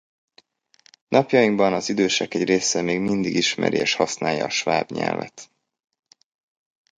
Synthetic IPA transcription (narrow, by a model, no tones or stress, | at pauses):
nʔɒpjɒjiŋɡbɒnɒzid̪øːʃɛkɛɟreːsɛmeːɡmind̪iɡiʃmɛ̰ɾieːʃhɒsnaːjɒ̰ːʃvaːbɲɛ̰lvɛ̰t̪